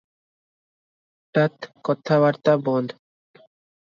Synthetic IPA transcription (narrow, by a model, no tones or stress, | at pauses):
ʈat̪kɔt̪ʰːaβaɾt̪abɔnd̪